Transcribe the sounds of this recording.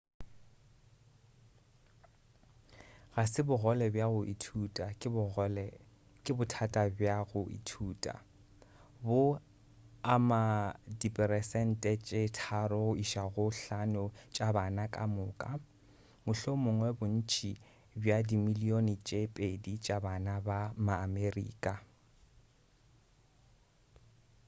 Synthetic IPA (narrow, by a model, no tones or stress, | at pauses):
ɣasɪbʊɣɔlɛbjaɣʊʔitʰutʼal | kʼɪbʊtʰatʼabjaɣʊʔḭtʰuːtʼa̰ | bʊ | amadipʼɛɾɛsɛn̩tʼɛt͡ʃʼetʰaɾɔɣʊiʃaɣʊɬanʊt͡ʃʼabanakʼamʊːkʼa | mʊɬomʊŋwɛbʊn̩t͡ʃʼi | bjadimilionɪt͡ʃʼepʼedit͡ʃʼabanabamaːmerḭːkʼa